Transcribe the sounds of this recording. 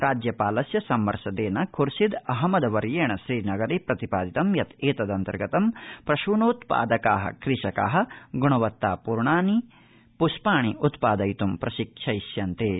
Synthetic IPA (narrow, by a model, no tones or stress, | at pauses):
ɾaːd͡ʒjɐpaːlɐsjɐsɐmʋɐɾʃɐd̪eːnɐkʰuɾsid̪ɐɦɐmɐd̪ɐʋɐɾjeːɳɐʃɾiːnɐɡɐɾeːpɾɐt̪ipaːd̪it̪ɐmjɐt̪eːt̪ɐd̪ɐnt̪ɐ̰ɾɡɐt̪ɐmpɾɐʃuːɳuːt̪pa̰ːd̪ɐkaːɦɐ̰kɾiʃɐka̰ːɦɐ̆ɡuɳ̃ɐʋɐt̪ːaːpuɾɳaːni | puʃpaːɳiʔut̪paːd̪ɐjt̪umpɾɐʃikʂʰɐjʃjɐnt̪eː